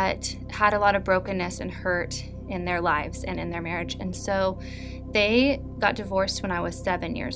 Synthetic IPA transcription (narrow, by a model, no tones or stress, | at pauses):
ʌt | həɾəlɔɾʌvbɹoʊkɨ̃nɨsɨ̰̃nhɜ˞ɾ | ɪ̃nðə˞laɪvz̥ɨ̰̃nɨ̃nðə˞mɛɹɨd͡ʒɨ̃nsoʊ | ðeɪ | ɡ̥ɑt̚d̥ɨvɔɹst̚wə̃ñaɪwʌz̥sɛvɨ̃njɪ̰ɹz